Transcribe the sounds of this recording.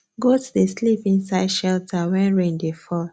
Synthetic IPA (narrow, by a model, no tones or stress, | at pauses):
ɡotudeslipĩnsaɪd̥ʃɛltʰawɛ̃nɹẽndefɔl